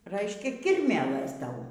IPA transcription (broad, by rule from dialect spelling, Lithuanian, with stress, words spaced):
ˈrɐɪʃʲkʲɛ ˈkʲɪrʲmʲeːlˠɘs ˈtɐʊ